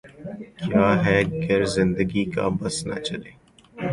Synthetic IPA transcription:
kjaːɦɛːɡɪɾzɪ̃nd̪əɡika̰ːbɐsnɐ̰t͡ʃəleː

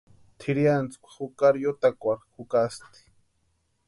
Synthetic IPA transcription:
t̪ʰiɾjant͡skʷḁxukaɾjot̪akʷaɾxukast̪i̥

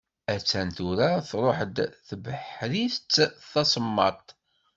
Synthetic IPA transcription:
æt͡sːænt̪uɾaθɾˤoħəd̪θbəħɾist͡sːθɑsˤəmːɑ̰t̪ˤ

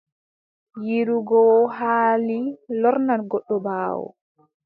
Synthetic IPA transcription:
jiɾuɡɔɦaːlilɔɾnanɡɔɗːɔbaːwɔ̰

